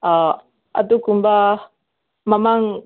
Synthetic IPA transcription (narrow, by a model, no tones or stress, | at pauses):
a | ʔa̰t̪ukumbah | mamaŋ